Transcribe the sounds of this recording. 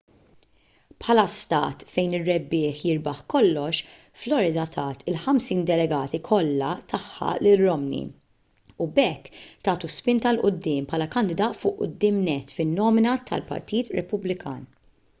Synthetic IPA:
pħɐlɐst̪ɐ̰ːt̪fɛjnɪrːɛbːɪːħjɪɾbɐħkɔlːɔʃ | flɔɾɪd̪ɐt̪ʰɐːt̪ɪlħɐmsiːnd̪ɛlɛɡɐːt̪ikʰɔlːɐt̪ʰɐħːɐ̰lɪːɔmnḭ | ubɛkːt̪ɐːt̪uspɪnt̪ɐlʔʊd̪ːɪːmpʰħɐlɐkɐnd̪ɪd̪ɐːt̪fʊːʔʊ̰d̪ːɪːmnɛt̪ːfɪnːɔːmɪnɐt̪ʰɐ̰lpɐ̰ɾt̪iːt̪ɾɛpʊblɪkʰɐ̰ːn

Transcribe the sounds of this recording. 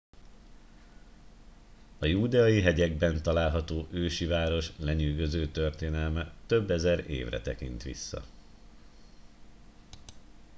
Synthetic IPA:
ɒjuːd̪ɛɒjiɦɛɟɛɡbɛnt̪ɒlaːlɦɒt̪oːʔøːʃivaːɾo̞ʃlɛɲyːɡø̞zøːt̪ørt̪eːnɛlmɛt̪øbːɛzɛɾḛːvrɛ̰t̪ɛkḭnt̪ʋḭsːɒ̰

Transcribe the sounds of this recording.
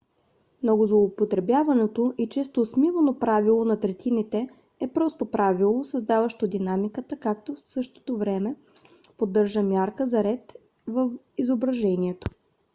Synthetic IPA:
mnoɡozlˠoopot̪ɾɛbjavɐnɛt̪oʔit͡ʃɛst̪oːsmivɐnopɾavilˠonɐt̪ɾɛt̪init̪ɛ | ɛpɾɔst̪opɾavilˠosɐzd̪avɐʃt̪od̪inamikət̪əkak̚t̪osɤʃt̪o̥t̪ovɾɛmɛ | pod̪ːɤɾʒəmʲjaɾkəzɐɾɛt̪ | vəf | izobɾɐʒɛniɛt̪o̥

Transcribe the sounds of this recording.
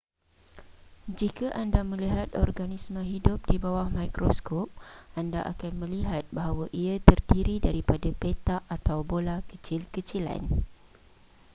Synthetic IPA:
d͡ʒikaʔandamə̃liɦat̪ɔ̰rɡanismə̃ɦidʊp̚dibawahmajkɾoskɔp̚andaʔa̰kanmə̃liɦat̪̚baɦawaʔiat̪ərdiɾidaɾipadapet̪aʔat̪awbolakət͡ʃɪlkət͡ʃila̰n

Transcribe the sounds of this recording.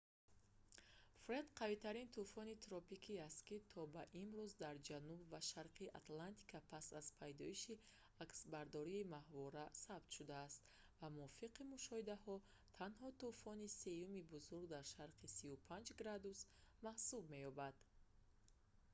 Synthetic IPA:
fɾed̪qʰavit̪ʰaɾint̪ʰufɔnit̪ɾɔpikʰiast̪kit̪ʰɔbaʔimɾuzd̪aɾd͡ʒanubvaʃaɾqʰiʔa̰t̪lant̪ʰi̥kʰapʰasazpʰajd̪ɔiʃi | aksbaɾd̪ɔɾiːmahvɔɾasabt̪ʃud̪aːst̪ | vamuɔfiqimuʃɔhid̪ahɔ | t̪ʰanhɔt̪ufɔnise̞jumibuzuɾɡd̪aɾʃaɾqʰisiupʰand͡ʒɡɾad̪usmahsubme̞jɔbad̪̥

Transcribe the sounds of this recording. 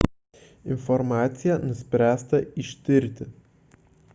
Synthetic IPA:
ɪnfɔɾmɑːt̪sʲɪjænʊsʲpʲɾʲæːst̪ɐiʃʲt̪ʲɪɾʲt̪ʲɪ

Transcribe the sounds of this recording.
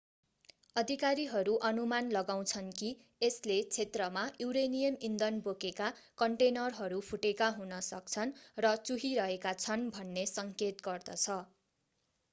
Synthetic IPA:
ʌd̪ʱikaɾiɦʌɾuʔʌnumanlʌɡaw̃t͡sʰʌnki | eslet͡sʰet̪rʌmajuɾenijʌmind̪ʌnbokekakʌɳʈenʌrɦʌɾupʰuʈekaɦunʌsʌk̚t͡sʰʌnrʌt͡suɦiɾʌɦekat͡sʰʌnbʱʌnːesʌŋket̪ɡʌrd̪ʌ̰t͡sʰʌ

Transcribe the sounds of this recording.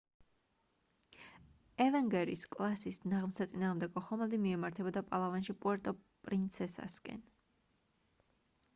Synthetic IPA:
ɛvɛŋɡɛɾḭskʼlˠasisnaʁmsat̪sʼinaːʁmd̪ɛɡɔχɔmɛld̪imiɛmaɾt̪ʰɛbɔd̪apʼalˠavanʃipʼuɛɾt̪ʼɔpʼɾint̪sʰɛsa̰skʼɛ̰n

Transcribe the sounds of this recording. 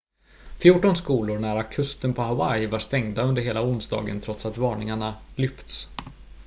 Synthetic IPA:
fjuːʈɔnskuːlʊɾɳæɾakʰɵst̪ənpʰɔɦawajvaʂt̪ɛŋd̪aɵnd̪əɾɦeːlaʊnsd̪ɑ̰ːɡə̰nt̪ʰɾɔt̪sat̪vɑːɳɪŋaɳalʏft̪s

